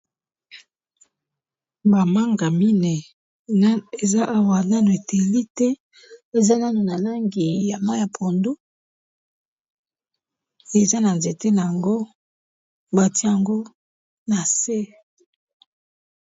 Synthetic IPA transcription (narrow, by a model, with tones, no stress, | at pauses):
ba˨ma˦ŋɡa˨mi˦nɛ˨˦ | e˨za˦ʔa˨wa˨na˦no˨e˨te˨li˦tɛ˦ | e˨za˦na˦no˨na˨la˦ŋɡi˨ja˨ma˦ja˨pʰo˨ndu˦ | e˨za˦na˨nze˨te˦na˨a˨ŋɡo˦ | ba˨ti˦ja˨ŋɡo˦ | na˨se˦